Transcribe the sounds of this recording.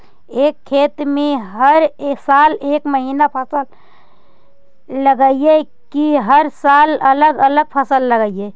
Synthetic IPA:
eːkʰːeːt̪mẽɦəɾsaːleːkməɦiːnapʰəsəl | ləɡəije | kiɦəɾsaːlələɡələɡ̚pʰəsəlːəɡəije

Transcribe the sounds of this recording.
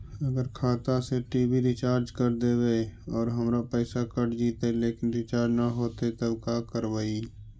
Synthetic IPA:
əɡəɾkʰaːt̪aseʈiːbiɾɪt͡ʃaːɾd͡ʒkəɾd̪eːweeɔːɾɦəmɾapɛːsakəʈd͡ʒiːt̪eleːkɪnɾɪt͡ʃaːɾd͡ʒnaɦoːt̪et̪əbkaːkəɾwaːi

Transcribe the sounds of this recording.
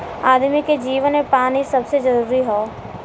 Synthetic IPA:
aːd̪miked͡ʒiːʋənmepaːnisɐbsed͡ʒɐɾuːɾiɦoː

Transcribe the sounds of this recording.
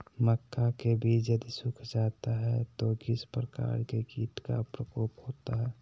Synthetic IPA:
məkːakebʱiːt͡ʃjəd̪isʊkʰd͡ʒat̪aɦɛt̪oɡɪspɾəka̰ɾkeɡiːt̪ka̰pɾəkoːphoːt̪aɦɛː

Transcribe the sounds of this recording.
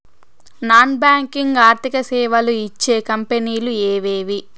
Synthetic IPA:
naːnbaːŋkiŋɡaːɾt̪ikɐsɛːʋɐluit͡ʃːeːkɐmpeniːlueːʋeːʋi

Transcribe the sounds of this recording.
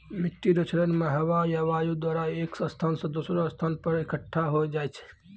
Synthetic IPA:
mɪʈːiɾot͡ʃʰɾənməɦəʋajaʋajud̪waːɾaeːksə̃st̪ʰaːnsə̃d̪osɾoəst̪ʰanpəɾekəʈʰːaɦojd͡ʒaːjt͡ʃʰɛ̥

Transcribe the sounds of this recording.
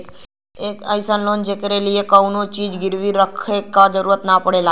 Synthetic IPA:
ekə̰jsənlond͡ʒekəɾeliekəunot͡ʃid͡ʒɡɪɾʋiɾəkʰekːad͡ʒəɾuɾət̪napəɽela

